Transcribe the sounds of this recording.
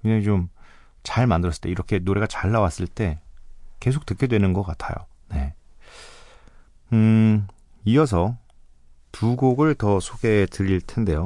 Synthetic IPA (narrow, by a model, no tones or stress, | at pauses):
kɯnet͡ɕom | t͡ɕaɭmandɯɾʌs͈ɯɭt͈e̞iɾʌkʰe̞noɾe̞ɡat͡ɕaɭːawas͈ɯɭt͈e̞ke̞sʰok̚t͈ɯk͈jʌdwe̞nɯnɡʌk͈atʰa̰jo̰ | ne̞̰ | ɯ | ijʌs̬ʰʌ | puɡoɡɯɭtʌsʰoɡe̞tɯɾiɭtʰe̞nde̞jo